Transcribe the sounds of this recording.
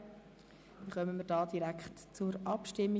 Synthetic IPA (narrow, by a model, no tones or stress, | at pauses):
iχœmənmədɑːdiɾækχtt͡sʊɾʔɑpʃtɪmːi